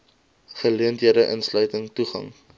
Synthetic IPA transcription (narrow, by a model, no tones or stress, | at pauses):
χəliəntɦiədəʔə̰nslœɥtəŋtuχɐ̰ŋ